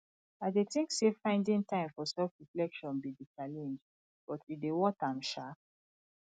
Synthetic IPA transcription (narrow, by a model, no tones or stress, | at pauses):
adetĩŋksefãɪ̃ndĩŋtãɪ̃mfɔsɛfɹiflɛkʃɔ̃nbidit͡ʃalɛ̃nd͡ʒ | b̥ɔtidewɔtamʃa